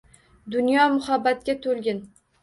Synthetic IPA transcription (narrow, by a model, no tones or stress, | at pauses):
d̪ʊnjɒmʊhabːat̪̚kʲat̪ʰolɡʲɪn